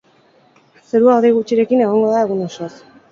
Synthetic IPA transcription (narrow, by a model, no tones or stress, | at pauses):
seɾuawðejɣut͡ʃiɾe̞kine̞ɣ̞o̞ŋɡoðae̞ɣ̞uno̞sos